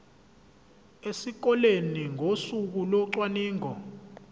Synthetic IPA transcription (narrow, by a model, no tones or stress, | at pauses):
esik̬ɔleniŋʱosuk̬ulɔǀwaniːŋɔ